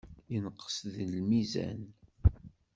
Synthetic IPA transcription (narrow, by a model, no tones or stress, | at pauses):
jənəqːə̥sðəlmizæ̰n